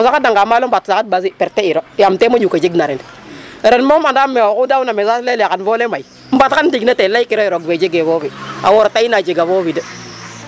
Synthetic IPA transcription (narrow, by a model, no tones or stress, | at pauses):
usakadaŋɡamalom̩batsakat̚bas̬ipeɾtːeiɾojamtemod͡ʒukad͡ʒiɡnaɾenɾenmomandameokudawnamesalelekanvolemai | m̩batkandiɡnatelajikiɾoiɾoɡved͡ʒeɡevovia̰woɾatainad͡ʒeɡavovidə